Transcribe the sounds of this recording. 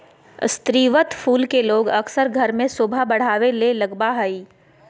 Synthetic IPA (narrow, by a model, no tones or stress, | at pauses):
st̪ɾiːʋət̪pʰuːlkeloːɡɐksəɾɡʱɐɾmẽsoːbʱabɐɽ̤aːʋelelɐɡbaɦɐiː